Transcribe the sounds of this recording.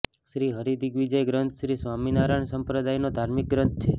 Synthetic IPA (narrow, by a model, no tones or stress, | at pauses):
ʃɾiɦəɾid̪iɡʋid͡ʒəjɡɾənt̪ʰʃɾisʋaminaɾaɳsəmpɾəd̪ajnod̪ʱaɾmik̚ɡɾənt̪̚ʰt͡ʃʰe